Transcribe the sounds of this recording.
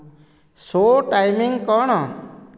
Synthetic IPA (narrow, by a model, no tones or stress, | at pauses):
soʈajmiŋkɔɽ̃ɔ